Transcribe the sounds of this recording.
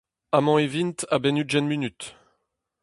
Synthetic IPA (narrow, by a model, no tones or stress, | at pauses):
amɑ̃evint̪abɛnyʒɛnminyt̪